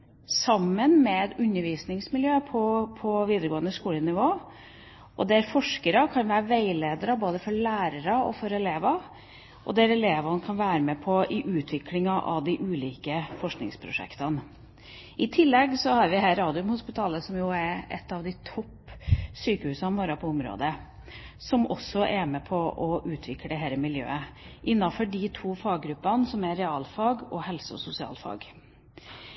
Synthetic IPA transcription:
sɑmːənmɛd̪ʉnːəɾʋiːsnɪŋsmɪljøːpʰɔpʰɔʋiːd̪əɾəɡoːənəskuːlənɪʋoː | ʔɔ̰d̪ɛɾfɔʂkəɾɑkʰɑnʋæːɾəʋæɪleːd̪əɾəboːd̪əfɔɭæːɾəɾɑɔ̰fɔɾɛleːʋɑ | ʔɔ̰d̪ɛɾɛleːʋɑnkʰɑnʋæːɾəmɛpʰɔʔɪʔʉːt̪ʰʋɪklɪŋɑʔɑ̰ʋd̪ɪʔʉːliːkəfɔʂknɪ̰ŋspʰɾʊ̰ʂɛ̰kt̪ɑn | ɪt̪ʰɪlːɛɡsɔhɑɾʋɪɦæːɾɑːd̪ɪʉmhʊspɪt̪ʰɑːləsɔmjʊæɾɛ̰t̪ːɑʋd̪ɪt̪ʰɔpːsyːkəhʉːsɑnʋoːɾɑpʰɔʊmɾo̰ːd̪ə | sɔmʔɔsːɔʔɛmɛpʰɔʔɔʔʉːt̪ʰʋɪklɛɦɛɪɾəmɪljø̰ːəʔɪnːɑfɔɖɪt̪ʰuːfɑːɡːɾʉpːɑnsɔmæɾɛɑːlfɑːɡɔhɛlsəɔ̰sʊsɪɑ̰ːlfɑ̰ːɡ

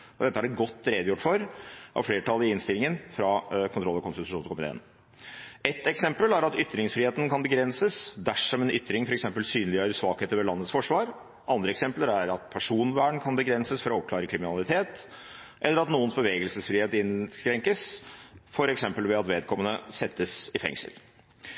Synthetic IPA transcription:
ɔd̪ɛt̪ːəhæɖɛɡɔt̪ːɾɛd̪jʊʈːfɔɾʔɑ̰ʋfleːʈʰɑlɪɪnst̪ɪlɪŋənfɾɑkʰʊnt̪ɾɔlːəɾkʊnst̪ɪt̪ʉʂuːnkʊmɪt̪ʰḛːən | ɛt̪ːɛksɛmpəlæɾɑt̪ʏt̪ːɾɪŋsfɾiːeːt̪n̩kʰɑnbəɡɾɛnsəsd̪æʂɔmɛnʏt̪ːɾɪŋfɔɾɛksɛmpəlsyːnlɪjøːɾəʂʋɑːkheːt̪əɾʋɛlɑnːət̪sfɔʂʋɑːɾ | ʔɑnd̪ɾəɛksɛmpləɾæɾɑt̪̚pʰæʂuːnʋæːɳkʰɑnbəɡɾɛnsəsfɔɾɔɔp̚klɑːɾəkʰɾɪmɪnɑlɪt̪ʰeːt̪ | ʔɛlːəɾɑt̪nuːənsbəʋeːɡəlsəsfɾiːheːt̪ɪnskɾɛŋkəsfɔɾɛksɛmpəlʋɛɑt̪ʋeːd̪̚kʰɔmːənəsɛt̪ːəsɪfɛ̰ŋsə̰l

